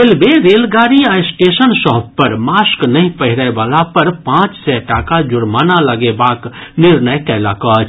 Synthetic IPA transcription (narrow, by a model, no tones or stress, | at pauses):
ɪlbeɾeːlɡaːɾiaːɪsʈeːʃənsɔɦb̚pɐɾmaːsknɐɦĩpəɦɪɾəeʋaːlapɐɾpãːt͡ʃsɛʈaːkad͡ʒʊɾmaːnalɐɡebaːknɪɾnəjkɛːlaːkaːt͡ʃ